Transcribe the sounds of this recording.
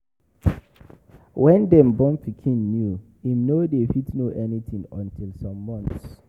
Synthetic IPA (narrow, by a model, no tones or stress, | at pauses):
wɛ̃ndɛ̃mbɔ̃mpikʰĩnːju | inodefitnoʔɛnitʰĩŋɔ̰̃ntʰilsɔ̃mːɔ̃nθs